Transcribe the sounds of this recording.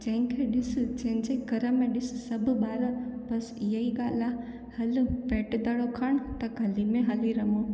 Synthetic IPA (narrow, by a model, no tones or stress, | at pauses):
d͡ʒɐ̃ŋkʰeɗɪsd͡ʒɐ̃ɦɪ̃ɲd͡ʒeɡɐɾəmːẽɗɪssɐbʱbaːɾəpɐsjɐiɡaːla | hɐlpeːʈd̪ɐɽokʰaɳt̪ɐkɐlimẽɦɐliɾɐmo